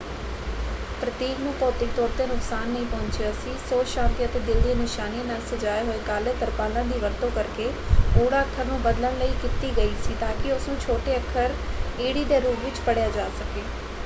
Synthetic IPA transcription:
pɾət̪iːknũːpɔːt̪ɪk̚t̪ɔːɾt̪eːnʊksaːnːɐĩpɔʊ̃ɲt͡ʃeɐsĩːsoːʃãːnt̪iət̪eːd̪ɪld̪ienɪʃaːniãnaːlsɐd͡ʒaːeɦoekaːleːt̪əɾpaːlãːd̪iːʋəɾt̪oːkɐɾkeːoːɽaːəkʰːəɾnũːbəd̪ləɽ̃ləiːkɪt̪iːɡəiːsiːt̪aːkɪʊsnũːt͡ʃʰoːʈeːəkʰəɾeːɽiːd̪eːɾuːpʋɪt͡ʃpəɽjaːd͡ʒaːsəkeː

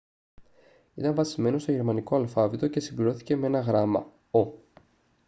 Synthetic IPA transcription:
it̪ɐɱvɐsime̞no̞seʝe̞ɾmɐniko̞ɐlfɐvit̪o̞ce̞simbliɾo̞θi̥ce̞mee̞nɐɣɾɐmɐ̰ | o̞

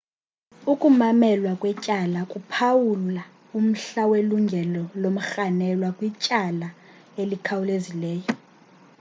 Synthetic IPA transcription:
ukʼumamɛlwakʼwɛt͡ʃʼalakʼupʰawula | um̩ɬaweluŋɡʱɛlɔlom̩xanɛlwakʼwit͡ʃʼala | elikʰawulezilɛːjɔ

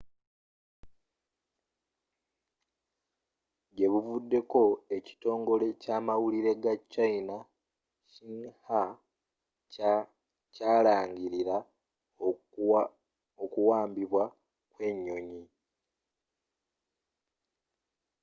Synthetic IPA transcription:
ɟe̞βuvudːe̞ko̞e̞ci̥to̞ːŋɡo̞le̞caːmawuliɾe̞ɡat͡ʃːaina | ciŋha | caːlaːɲɟiɾiɾa | okuwaːmbiβwa | kwe̞ɲːo̞ɲi

